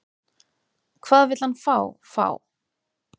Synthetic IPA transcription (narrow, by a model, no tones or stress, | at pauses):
kʰvaːðvɪt̪lhanfaːwfa̰ːw